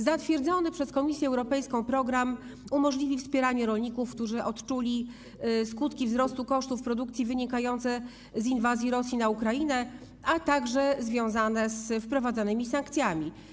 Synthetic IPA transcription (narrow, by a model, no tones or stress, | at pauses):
zat̪fʲjɛɾd̪zɔnɘpʂɛskɔmʲisʲjɛɛwɾɔpɛjskɔ̃w̃pɾɔɡɾam | umɔʐlʲivʲifspʲjɛɾaɲɛɾɔlɲikufkt̪uʐɘʔɔt̪t͡ʂulʲi | skut̪kʲivzɾɔst̪ukɔʂt̪ufpɾɔd̪uk̚t̪sʲivɘɲikajɔnt̪sɛ | zinvazʲjiɾɔsʲjinaukɾajinɛ | at̪aɡʐɛzvʲjɔ̃w̃zanɛzfpɾɔvad̪zanɘmʲisaŋkt̪sʲjamʲi